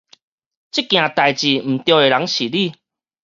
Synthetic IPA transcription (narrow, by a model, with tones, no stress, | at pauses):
t͡ɕi˦˥kj̃ã˨˩t̪a˨jt͡ɕi˨m̩˨˩t̪jɔ˧e˨˩ɾa˨˦ŋɕi˨li˥˨